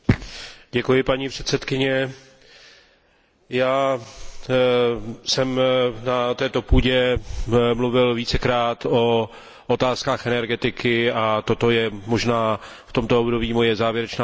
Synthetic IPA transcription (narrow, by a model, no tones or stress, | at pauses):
ɟɛkujɪpaɲiːpr̝̥ɛt̪sɛt̪kɪɲɛ | jaː | sɛmnat̪ɛːt̪o̞puːɟɛ | mluvɪlviːt͡sɛkɾaːt̪o̞ | ʔot̪aːskaːxʔɛnɛɾɡɛt̪ɪkɪat̪o̞t̪o̞jɛmo̞ʒnaː | ft̪o̞mt̪oobdobiːmo̞jɛzaːvjɛɾɛt͡ʃnaː